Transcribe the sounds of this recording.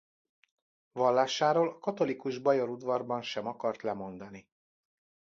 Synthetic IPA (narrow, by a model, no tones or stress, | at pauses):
vɒlːaːʃaːɾoːlɒkɒt̪o̞likuʒbɒjo̞ɾud̪vɒrbɒnʃɛmɒkɒrt̪lɛmo̞n̪d̪ɒni